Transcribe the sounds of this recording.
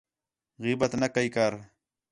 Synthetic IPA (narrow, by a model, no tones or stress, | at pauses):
ɣibɐt̪nɐkɐikaɾ